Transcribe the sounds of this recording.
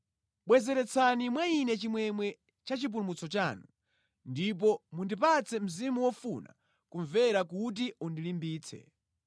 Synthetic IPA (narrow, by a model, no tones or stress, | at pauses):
ɓwɛzɛɾɛt͡sʰanimwainɛt͡ʃimwɛmwɛ | t͡ʃat͡ʃip̬ulumut͡sɔt͡ʃaːnu | ndip̬ɔmundipat͡sɛm̩zimuwɔfuna̰ | kuɱvɛɾakut̬iundilimbiːt͡sʰɛ̰